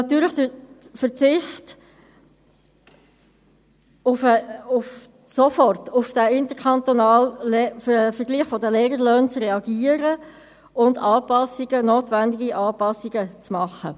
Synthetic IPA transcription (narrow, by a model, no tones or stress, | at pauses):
nɑt̪yːɾləχd̥əfəɾt͡sɪχt | ʊfəʊf | sofɔrtʊfd̥æɪnt̪əɾkʰɑnt̪ɔnɑːl | fəɾɡliːχfɔdəlɛːɡəɾløːnt͡srɛɑɡiːəɾə | ʊndɑːpɑsiɡənoːtvændɪɡiʔɑːpɑsiɡət͡smɑχə